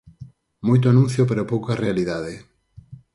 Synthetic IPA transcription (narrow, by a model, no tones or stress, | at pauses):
mojt̪oanũn̟θjopeɾopowkarealiðaðe